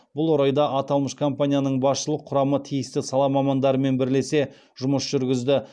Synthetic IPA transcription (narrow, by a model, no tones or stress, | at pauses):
b̥ʊlˠwoɾɑjd̪ɑʔɑt̪ɑlˠməʃkʰo̞mpanʲijanəɴbɑsʃəlˠəqʰːʊɾɑmət̪ʰijɪst̪ɪsɑlˠɑmɑmɑnd̪ɑɾəme̞nbɪɾle̞se̞ | ʒ̥ʊməsʒ̥ʏɾɡʲɪzd̪ɪ